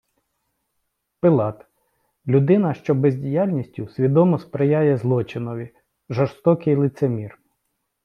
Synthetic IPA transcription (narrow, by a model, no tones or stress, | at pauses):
pɪlˠɑt̪ | lʲʊd̪ɪnɐʃt͡ʃɔbezʲdʲijalʲnʲisʲtʲʊsʲʋʲid̪ɔmɔspɾɪjajɛzlˠɔt͡ʃɪnɔʋʲi | ʒɐst̪ɔkɪjlˠɪt̪semʲir